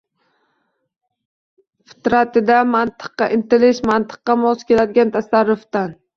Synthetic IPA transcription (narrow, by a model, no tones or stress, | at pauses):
fɪ̥t̪ɾat̪ɪd̪amant̪ʰɨ̥qːɑʔɪnt̪ʰɪlɪʃmant̪ʰɨ̥qːɑmɒzkʲʰe̞lad̪ɪɡʲant̪ʰasaɾːʊft̪an